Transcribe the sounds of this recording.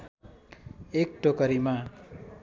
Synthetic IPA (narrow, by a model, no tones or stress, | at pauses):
ek̚ʈokʌɾima